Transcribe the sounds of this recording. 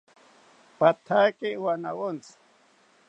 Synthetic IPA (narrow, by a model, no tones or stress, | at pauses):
pat̪ʰakɪwanawont͡s